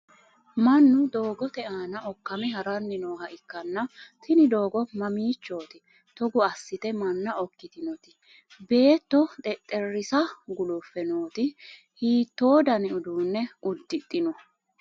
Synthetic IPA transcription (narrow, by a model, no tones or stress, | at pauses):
mɐnːʊd̪o̞ːɡɔt̪ɛʔaːnɐɔkːɐmɛɦɐɾɐnːɪnoːɦɐʔɪkːɐnːɐt̪ʰɪnɪd̪o̞ːɡɔmɐmiːt͡ʃːoːt̪ɪ | t̪ɔɡʊɐsːɪt̪ɛmɐnːɐɔkːɪt̪ɪnɔt̪ɪ̥ | be̞ːt̪ːɔt̪ʼɛt̪ʼːɛrːɪsɐɡʊlʊfːɛnoːt̪ɪ | hiːt̪ːo̞ːd̪ɐnɪʊd̪uːnːɛʊd̪ːɪt̪ʼːɪnɔ